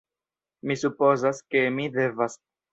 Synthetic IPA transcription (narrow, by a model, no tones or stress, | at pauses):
misupo̞zaske̞mide̞vas